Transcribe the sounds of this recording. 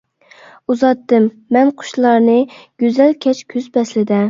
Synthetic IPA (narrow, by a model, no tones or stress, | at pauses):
uzɑt̪ːɨmːɛnqʰʊ̥ʃlˠɑɾnɨɡ̥ʲøzɛlkʲʰɛt͡ʃkʲʰyzbɛslɪd̪ɛ